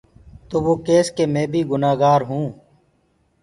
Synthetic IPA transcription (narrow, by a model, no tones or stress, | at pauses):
t̪oːʋoːkeːskeːmẽːbʱiːɡʊnaːɡaːɾɦũː